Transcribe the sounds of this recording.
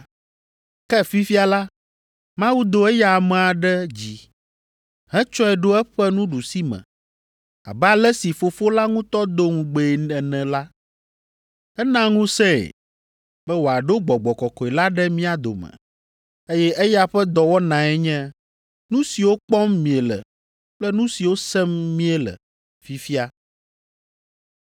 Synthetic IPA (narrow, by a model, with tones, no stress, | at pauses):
kɛ˦fi˦fi˦a˨la˦ | mã˦wu˦d̪o˨ɛ˦ja˨a˨mɛ̃˨a˨ɖɛ˦d͡ʑi˨ | ɦɛ̃˦t͡ʃɔ˦ɛ˨ɖo˦ɛ˦ɸɛ˦nũ˦ɖu˨si˦mɛ̰̃˨ | a̰˨ba˦lɛ˦si˨fo˨fo˦la˦ŋũ˦t̪ɔ˦d̪o˦ŋũ˨ɡ͡be˨ɛ˨nɛ̃˨la˦ | ɛ˦nã˦ŋũ˦sɛ̃˦ɛ̰˨ | bɛ˦wo˨a˨ɖo˦ɡ͡bɔ˨ɡ͡bɔ˨kɔ˨kɔ˨e˨la˦ɖɛ˦mĩ˦a˨d̪o̰˨mɛ̰̃˨ | e˦jɛ˦ʔe˦ja˦ɸɛ˦d̪ɔ˨wɔ˦nã˨ɛ˦ɲɛ̃˦ | nũ˦si˨wo˦k͡pɔ˦mːĩ˨ɛ˨lɛ̰˨ | k͡plɛ˦nũ˦si˨wo˦sɛ˦mːĩ˦ɛ˨lɛ̰˨ | fi˦fi˦a˦